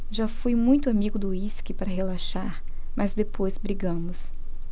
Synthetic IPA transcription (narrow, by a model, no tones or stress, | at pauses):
ʒafujmũj̃t̪ʊamiɡʊd̪ʊiskɪpaɾɐɦelaʃaɾ | mɐzd̪epʰojzbɾiɡɐ̃mʊs